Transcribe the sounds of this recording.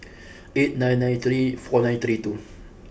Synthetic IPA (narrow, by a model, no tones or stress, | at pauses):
et̚nãjnːãjnθɾifɔnãnθɾitu